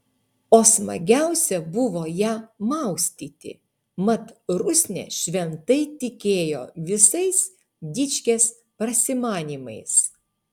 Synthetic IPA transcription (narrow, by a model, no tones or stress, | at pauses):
oːsmɐ̰ɡʲæˑʊsʲɛbʊʋoːjæːmɐˑʊsʲt̪ʲiːt̪ʲɪ̰ | mɐt̪ɾʊsʲnʲɛ̰ːʃʲʋʲɛnt̪ɐɪt̪ʲɪkʲeːjo̰ːʋʲɪsɐɪs | d̪ʲɪt͡ʃʲkʲeːs | pɾɐsʲɪmɑːnʲiːmɐ̰ɪs